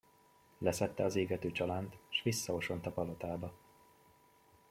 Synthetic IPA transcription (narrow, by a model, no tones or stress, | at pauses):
lɛsɛt̪ːɛɒzeːɡɛt̪øːt͡ʃɒlaːnt̪ʃʋisːɒɦo̞ʃo̞nt̪ɒpɒlo̞t̪aːbɒ